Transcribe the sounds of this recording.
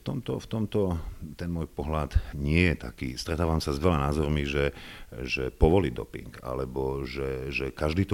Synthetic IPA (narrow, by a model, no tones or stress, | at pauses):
ft̪ɔmt̪ɔft̪ɔmt̪ɔt̪ɛnmɔːjpɔɦlad̪ɲɪɛjɛt̪a̰kḭːst̪ɾɛt̪aːʋamsazʋɛlanaːzɔɾmiʒɛʒɛpɔʋɔliːd̪ɔ̰pḭŋɡa̰lɛbɔʒɛʒɛkaʒd̪iːt̪ɔ